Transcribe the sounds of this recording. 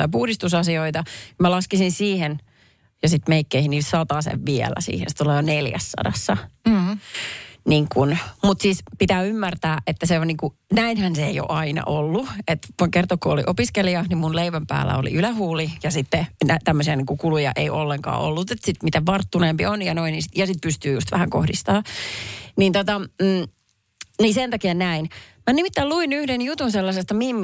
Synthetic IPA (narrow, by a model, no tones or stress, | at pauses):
ɑpuhdist̪usɑsioit̪ɑmælɑskisinsiːhen | jɑsit̪meikːeihiniːlsɑt̪ɑsḛʋʋiɛ̰læ̰sḭːhḛnsit̪ulɑjoneljæ̰sːɑ̰dɑ̰sːɑ | niːŋkunmut̪siːspit̪æːymːært̪æːʔet̪ːæseoniːŋku | næinhænseijo̰ʔɑinɑ̰ʔolːuet̪kert̪okːoolḭʔopiskeliɑnimmunleiʋæmpæ̰ːlːæ̰o̰lḭʔylæhuːlijɑsit̪ːenæt̪æmːøsiɑniːŋkukulujɑ̰ʔeiʔolːeŋkɑ̰ːo̰lːut̪et̪sit̪mit̪æʋɑrt̪ːuneːmpionjɑnoininsit̪jɑsit̪̚pyst̪yːjṵst̪ʋæhæŋko̰hdist̪ɑː | niːnt̪ot̪ɑː | nisent̪ɑkiɑnæinmænimit̪ːæːluinyhdenjut̪unselːɑsest̪ɑmimː